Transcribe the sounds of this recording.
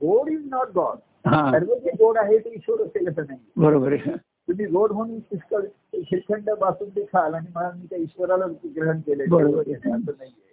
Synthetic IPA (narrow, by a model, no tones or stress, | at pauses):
ɡoɽiznɔʈ̚ɡɔɽ | ɦãaɾbəɾd͡ʑiɡoɽaɦet̪eiɕʋəɾəseləs̬ənaɦibəɾobəɾea | t̪um̤iːɡoɽɦoñĩːkiskə | kʰiɾkʰəɳɖəbasuːnɖikʰalaɽ̃iməlamiːt̪aiɕʋəɾalaɡɾəɦəɳkelebəaɾaɾbəɾeɦẽəsəːnaɦie